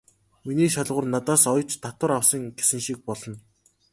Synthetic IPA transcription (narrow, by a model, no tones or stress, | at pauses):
miniːʃaɮʁʊ̆rnat̪aːsɔjɞ̆t͡ɕt̪at̪wə̆ɾawsə̆ŋɡesɘ̆ŋʃik̚pɔɮɞ̆n